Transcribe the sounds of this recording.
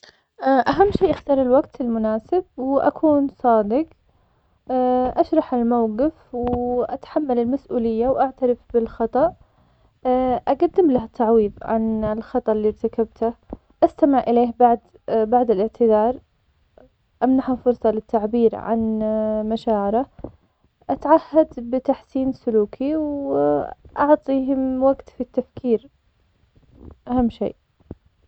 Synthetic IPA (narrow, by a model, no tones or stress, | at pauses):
ʔaʔaɦamːʃiːʔaxt̪ɑːɾˤɪlwaɡt̪ɪlmʊnaːsɪb̚wʔa̰kʰuːnsˤɑːd̪ɪɡ | ʔaʃɾˤɑħɪlmawqɪfwʔat̪ḁħamːalɪlmasʔuːlɪjːawʔaʕt̪aɾɪfbɪlxɑt̪ˤɑʔ | ʔaɡad̪ːɪmlahat̪ːaʕwiːðˤʕa̰nɪlxɑt̪ˤɑʔlːiːɾt̪akabt̪ʰa | ʔast̪amɪʕʔɪleːhbaʕd̪ | baʕd̪ɪlɪʕt̪ʰɪd̪ɑːɾˤ | ʔamnaħafʊɾsˤɑlɪt̪ʰːaʕbiːɾʕa̰nmaʃaːʕɪɾa | ʔat̪ʕahːad̪bɪt̪aħsiːnsʊluːkʰiw | ʔɑʕt̪ˤiːɦɪmwaɡt̪fit̪ːafkiːɾ | ʔahamːʃḛːʔ